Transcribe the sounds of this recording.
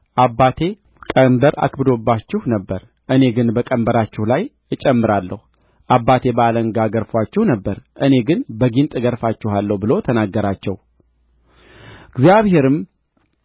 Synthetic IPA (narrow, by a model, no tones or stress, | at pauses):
ʔabːat̪ʰe̞ | kʼəmbəɾa̰kʰbɨd̪o̞bːat͡ʃːɪhnəbːəɾ | ʔɨne̞ɡɨnbəkʼəmbəɾat͡ʃːɪhlaj | ɨt͡ʃʼɛmːɨɾalːəhu | ʔabːat̪ʰe̞bəaləŋɡaɡəɾfwat͡ʃːɪhnəbːəɾʔɨne̞ɡɨnbəɡint̪ʼɡəɾfat͡ʃːɪhalːəhubɨlo̞t̪ʰənaɡːəɾat͡ʃːɛ̰w | ɨɡzijaβhe̞ɾɨm